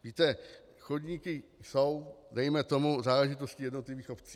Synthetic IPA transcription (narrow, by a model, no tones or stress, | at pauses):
viːt̪ɛ | xodɲiːkɪso̞wdɛjmɛt̪o̞muzaːlɛʒɪt̪o̞scijɛdno̞t̪liviːxo̞p̪t͡si